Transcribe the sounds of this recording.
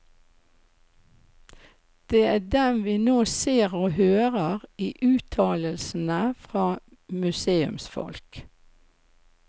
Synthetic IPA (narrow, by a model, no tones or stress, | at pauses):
d̪̥eːæːɖɛnʋiːnoːseːʁoːhøːʁəʁiːʔʉːt̪ʰɑːləlsn̩əfʁɑː | mʉseːʉ̰msfɔ̰lk